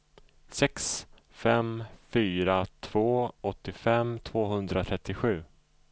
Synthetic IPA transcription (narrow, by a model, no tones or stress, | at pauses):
sɛks | fɛmfyːɾat̪ʰv̥oːɔt̪ːɪfɛmt̪ʰvoːɦɵnd̪ɾat̪ʰɾɛt̪ːɪɧʉ̟ː